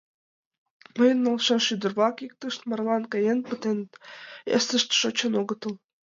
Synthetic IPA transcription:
məjə̆nːɤlʃɑnʃyd̪ə̆rβɑkik̚t̪əʃt̪mɑrlɑnkɑjenpət̪ent̪ḛsə̆ʃt̪ʃot͡ɕɤ̆noɣɤ̆t̪ɤ̆lˠ

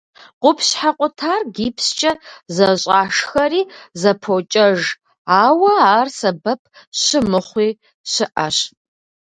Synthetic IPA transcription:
qʷʊpʰɕħaqʷʼʊtʰaːrɡiːpʰst͡ʃʼɐzɐɕʼaːʂxɐɾiːzɐpʰoːt͡ʃʼɐʒ | aːwɐaːrsɐbɐpʰ | ɕɪmɨχʷiː | ɕɪʔɐɕ

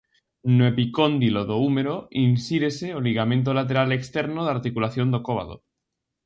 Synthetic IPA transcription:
nwepikond̪iloðoumeɾoinsiɾeseoliɣ̞amẽnt̪̬olat̪e̞ɾalekst̪eɾnoðaɾt̪ikulaθjo̞nd̪okoβa̰ðo̰

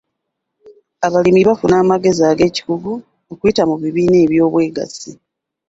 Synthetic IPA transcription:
aβalimiβafunaːmaɡe̞ziaːɡe̞ːci̥kuɡu | okuitamuβiβiːneːβjo̞ːβwe̞ːɡa̰si

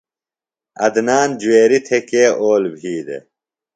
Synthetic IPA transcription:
ɐ̰d̪naːnd͡ʑueːɾit̪ʰekeːʔoːlbʱiːd̪ḛ

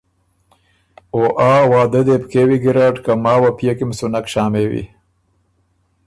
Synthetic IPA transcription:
oːʔaːwɑːd̪əd̪epkeːwiɡiɾaʈkamɑːwapjakimsunakʃɑːmewḭ

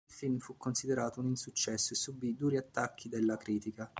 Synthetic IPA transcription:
ilfilmfukːonsid̪eɾaːt̪ouninsut͡ʃːɛsːoesːubid̪uːɾiat̪ːakːid̪elːakɾiːt̪ika

